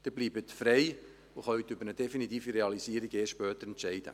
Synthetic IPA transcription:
d̥̪ɪbliːbət̪fɾɛɪ | ʊχœjt̪ʏbəɾəd̥̪ɛfinit̪iːfiɾeɑlisiːɾiɡeːsʃʃpœːt̪əɾɛntʃɛɪd̥ə̰

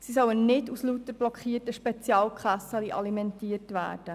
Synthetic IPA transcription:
sisœwənnɪduslut̪əɾb̥lɔkχiːrtəʃpɛt͡sjɑːlkχɑsɑliʔɑlimɛntiːəɾtʋæ̰ːɾd̥ə

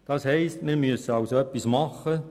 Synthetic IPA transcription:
d̥ɑːshɛɪstmɪɾmyəsəɑʊsoœpːismɑχːə

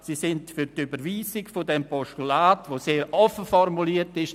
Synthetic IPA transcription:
sisɪndfyɾtybəɾʋiːzɪɡfodɛmpɔʃtulaːtʋoːseːɾʔɔfəfɔrmuliːətɪʃ

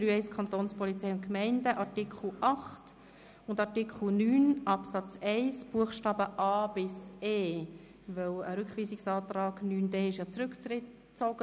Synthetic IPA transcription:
ɾyːɛɪskʰχɑnt̪oːnspɔlit͡sɛjʊntkmɛɪndəʔɑɾtikχl̩ˠʔɑχt | ʊndɑɾtikχl̩nyːnʔɑpsɑt͡sɛɪsb̥uəχʃtɑːbəʔɑːb̥ɪseː | vɛwəɾʏkχʋiːsiksɑːt̪rɑːɡ̥nyːndɛːɪʃjɑt͡sɾʏkt͡sɪ | t͡soɡ̥ə

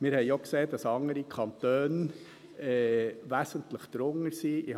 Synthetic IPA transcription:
mɪɾhɛɪokseːdɑsɑŋəɾikʰɑnt̪øːn | ɛʋæːsəntləχt̪ɾʊŋəsiːʔɪ

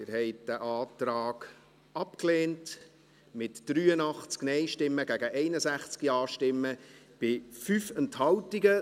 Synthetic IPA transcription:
ɪɾhɛɪt̚d̥æʔɑːtɾaːɡ | ɑpkleːnt | mɪtd̥ɾyːənɑχt͡sknɛɪʃtɪmːəɡæɡəʔɛɪnəsæχt͡skiɑːʃtɪmːə | b̥ɪfyfɛnthɑwtiɡə

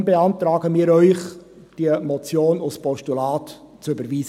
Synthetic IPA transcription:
beɑntɾɑːɡəmiːɾœʏχ | d̥iəmɔt͡sjoːnʊspɔʃtulɑːt | t͡søbəɾviːz

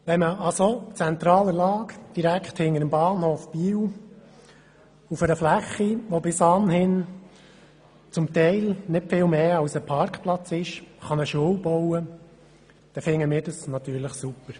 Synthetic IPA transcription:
ʋɛnməʔɑsot͡sɛnt̪ɾɑːləlɑːkd̥iɾækχthɪŋəɾəmbɑːnhoːfb̥iːw | ufəɾəflæχːiʋobɪsɑnɦɪn | t͡sʊmt̪ɛɪlnɪtfɪːlmeːɑʊsəpʰɑɾkχplɑt͡sɪʃχɑnəʃowbɔwə | d̥ɛfɪŋːəmɪːɾd̥ɑsnɑt̪yːɾləχsupːəɾ

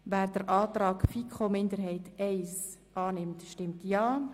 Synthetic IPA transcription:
væːɾd̥əɾʔɑːtɾɑːkfikʰomɪndəɾɦɛɪtɛɪsʔɑːnɪmtʃtɪmtjaː

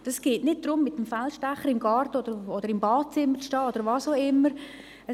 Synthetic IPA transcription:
d̥ɑsɡ̥eːtnɪd̚d̥̪ɾʊmːɪtːəmfɛlʃtæχəɾɪmɡɑɾtəod̥̪əɾod̥əɾɪmbɑːt̚t͡sɪmːəɾt͡sʃtɑːod̪əɾʋɑːsoʊɪmːəɾ | ə

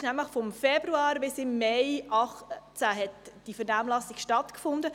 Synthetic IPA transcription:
ʃnæmləχfɔmfɛbɾuɑːɾbɪsɪmːɛɪʔɑχt͡sæɦɛtd̥ifəɾnaːmlɑsɪɡʃtɑtkfʊndə

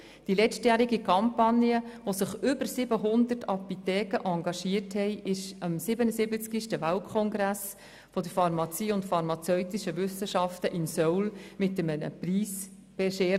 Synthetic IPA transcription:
d̥ilɛt͡stjæːɾiɡikʰɑmpɑnjəʋosɪχʏbəɾsɪbəɦʊnd̪ərtɑput̪ɛːkəʔɑŋɡɑʃiəɾthɛɪʔɪʃəmsɪbənəsɪbət͡skiʃtəʋaltkʰɔŋɡɾæs | fɔd̥əɾfɑɾmɑt͡siːʊntfɑɾmɑt͡sœʏt̪ɪʃəʋʏsːəʃɑftəʔɪnsɔwlmɪtɛmənə̰priːs | b̥ɛʃeː

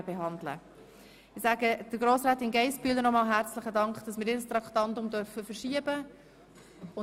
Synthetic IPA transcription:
b̥eɦɑndlə̰ | ɪsæːɡəd̥əɾɡɾoːsɾaːt̪ɪnɡɛɪspyːlənɔmɑːlɦæɾt͡slɪχədɑŋkχd̥ɑsmɪːɾiːɾəst̪ɾɑktɑntʊmdœɾfəfəɾʃiəbə | ʊ

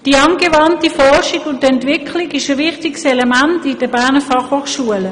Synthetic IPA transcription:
d̥iːɑnɡevɑntifɔʁʃikʊntɛntvɪkʰlɪkɪʃəvɪχtiksɛlɛmæntɪd̥əbæʁnəfɑχhoːχʃuələ

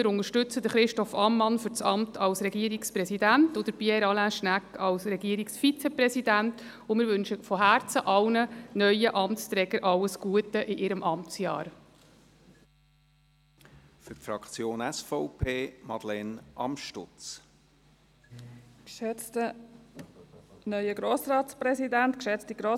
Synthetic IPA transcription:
mɪɾʊnəɾʃtʏt͡səd̥̪əɾχɾɪʃtɔfɑmːɑnfʏɾt͡sɑmtʰɑlsɾɛɡiəɾikspɾɛsidæntʊd̥̪əɾpjɛɾɑlæʃnækːɑlsɾɛɡiəɾiksfit͡sɛpɾɛsidænt | ʊmɪɾʋʏnʃəfɔɦæːɾt͡səʔɑlnənœʏəʔɑmst͡st̪ɾɛːɡəɾʔɑlːəsɡ̥uətəʔɪʔɪɾəmʔɑmt͡sjɑ̰ːɾ | fʏtfɾɑkʰt͡sjoːnɛsfɔʊpʰeːmɑd̥̪lɛnʔɑ̰mʃtʊ̰t͡s | tə | nœʏəɡɾoːsɾɑːtt͡spɾɛsidænt̪kʃɛt͡stiɡɾo

